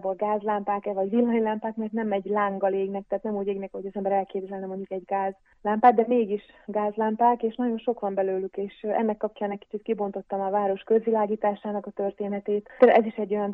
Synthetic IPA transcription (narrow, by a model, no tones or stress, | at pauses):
bolɡaːzlampaːkɛvɒɟʋilːɒjlampaːkmɛrt̪nɛmɛɟlaːŋɡɒleːɡnɛk̚t̪ɛɦat̪nɛmuːɟeːɡnɛkɒɦoɟɒzɛmbɛɾɛlkeːvzɛlnɛmo̞ɲɟukɛɟɡaːz | lampaːd̪d̪ɛmeːɡiʃɡaːzlampaːkeːʃnɒɟo̞nʃo̞kʋɒmbɛløːlykeːʃɛ̰nːɛkːɒp̚t͡ʃɒːnɛkːi̥t͡ʃit̪kibo̞nt̪o̞t̪ːɒmɒvaːɾo̞ʃkø̞zʋilaːɡiːt̪aːʃaːnɒkɒt̪ørt̪eːnɛt̪eːt̪t̪ɛɛziʃɛɟːo̞jɒn